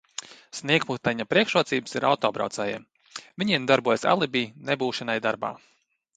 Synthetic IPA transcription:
sniɛkmut̪aɲapɾiɛkʃuɔt̪siːbsiɾa̰wt̪ɔːbɾa̰wt̪sɛːjɛ̰m | vʲiɲiɛmd̪aɾbuɔjsa̰lˠibiːnebuːʃɛnajd̪aɾba̰ː

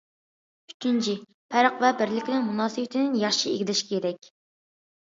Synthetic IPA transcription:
y̥t͡ʃʰint͡ʃʰi | pʰæɾəqvɛbɪɾlɪkʲnɪŋmunɑːsɨbɪt̪ʰɪnɪnjɑχʃiḛɡʲid̪ɪʃkʲʰeɾɛkʲ

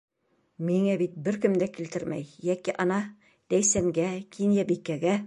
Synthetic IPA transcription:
miŋæbit̪̚bɘɾkɘ̆md̪ækilt̪ɘɾmæ̰jːækiʔɑnɑ | d̪̥æjsæŋɡækʰinjæbikːæɡæ

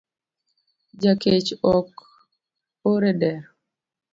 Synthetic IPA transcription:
d͡ʒaket͡ʃɔk | oɾedɛɾ

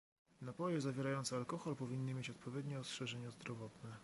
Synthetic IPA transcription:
napɔjɛzavʲjɛɾajɔnt̪sɛalkɔxɔlpɔvʲinːɘmʲjet͡ɕɔt̪̚pɔvʲjɛd̪ɲɛɔstʂɛʐɛɲɛzd̪ɾɔvɔt̪nɛ

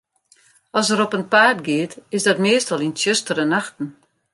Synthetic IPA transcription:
ɔsəɾɔpənpaːtɡɪːtɪsdɔtmeəstɔlˠinsjəstərənaxtn̩

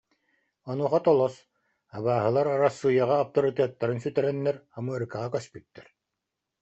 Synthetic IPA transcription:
ɔnuχat̪ɔlˠɔs | aβaːɦɯlˠaɾaɾasːuːjaʁaːp̚t̪ɔɾit̪eːt̪ːaɾɯnsyt̪ɛɾɛnːɛɾamɯɐɾkaʁakœspyt̪ːɛɾ

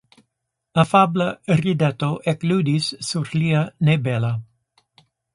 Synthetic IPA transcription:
ɐfablarid̪ɛt̪oʔɛklud̪issuɾlianebɛlɐ

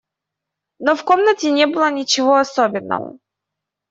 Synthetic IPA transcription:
nofkomnətʲɪnʲebɨlˠənʲɪt͡ɕɪvoɐsobʲɪnːə̰və̰

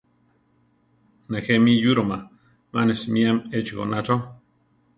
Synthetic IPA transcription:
nexemijuɾoma | manesmiamet͡ʃiɡo̰naʈ͡ʂo

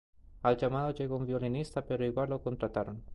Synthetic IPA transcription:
ald͡ʒamaðot͡ʃeɣomviolinist̪apeɾoiɡwalokont̪ɾat̪aɾon

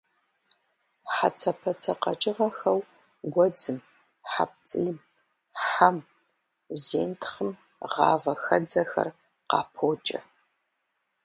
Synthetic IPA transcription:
ħat͡sʰɐpʰɐt͡sʰɐqɐt͡ʃʼɪʁɐxɐw | ɡʷɔd͡zɨm | ħa̰p̚t͡sʼiːm | ħam | zḛːntʰχəm | ʁɑ̰ːvɐxɐd͡zɐxɐ̰r | qɑ̰ːpʰoːt͡ʃʼɐ̰

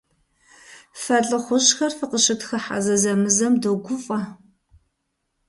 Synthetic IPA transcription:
fɐɮʼɨχʷʊɕxɐrfɨqəʃɨtxɐħa̰zɐzɐmɨzɐmdoɡʷʊfʼɐ

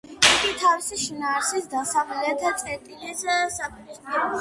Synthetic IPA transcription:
iɡ̪it̪ʰavisiʃinaːɾsisd̪asamlɛt̪ʰat̪sʼɛt̪ʼilid̪zaansapʼiɾisp̪ʼiɾɔ

